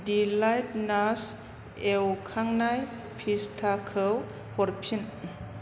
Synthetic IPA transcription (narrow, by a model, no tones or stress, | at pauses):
dilajt̚nas | ewkʰaŋnaj | pʰistʰakʰəw | hɔɾpʰin